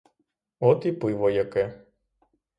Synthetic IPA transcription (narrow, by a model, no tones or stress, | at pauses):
ɔt̪ipɨʋɔjakɛ